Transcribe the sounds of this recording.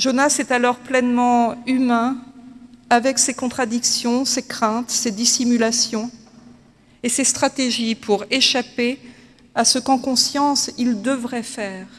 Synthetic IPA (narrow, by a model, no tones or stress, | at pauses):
ʒonasɛt̪alɔʁplɛnmɑ̃ymɛ̃ | avɛksekɔ̃t̪χad̪iksjɔ̃sekχɛ̃t̪sed̪isimylasjɔ̃ | esest̪χat̪eʒipʰuʁeʃape | asəkɑ̃kɔ̃sjɑ̃sild̪əvʁɛfɛːʁ